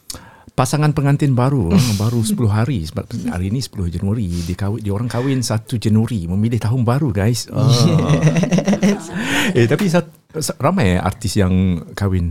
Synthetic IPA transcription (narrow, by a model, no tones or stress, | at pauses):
pasaŋanpəŋant̪ɪnbaɾubaɾusə̥pulʊɦaɾisəba̰t̪̚a̰ɾinisə̥pulʊhd͡ʒanuaɾidikawɪdioɾaŋkawɪnsat̪ud͡ʒanuaɾiməmilɪht̪aɦʊnbaɾuɡajsə | set̪apis̬a | sramaja̰rt̪ɪsjaŋkawɪn